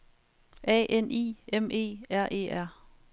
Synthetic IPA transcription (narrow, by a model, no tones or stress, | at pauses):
ʔɛ̰ːʔenʔḭːemʔe̝̰ːæɐ̰ʔe̝̰ːæɐ̰